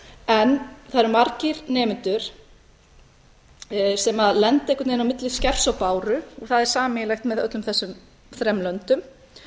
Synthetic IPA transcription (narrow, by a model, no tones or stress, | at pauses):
ɛnθaðɾʏɾmaɾcɪɾnɛːmɪnt̪ʏɾ̥ | sɛmaðlɛnt̪aɛhkʰːʏt̪nejnawmɪt̪lɪscɛfsawpaːwɾʏɔɣθaðɛɾ̥saːmɪjlajxt̪mɛðœt̪lʏmθɛsːʏm | θɾɛmlœnt̪ʏm